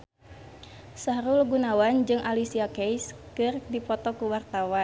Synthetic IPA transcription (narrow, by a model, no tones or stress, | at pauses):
saɾulɡunawand͡ʒɨŋʔalisiakɛjskɨrdipɔt̪ɔkuwart̪awa